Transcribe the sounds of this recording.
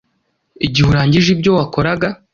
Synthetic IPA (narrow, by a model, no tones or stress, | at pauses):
iɟihuɾaːɲɟiʒibɟo̞wako̞ɾaɡa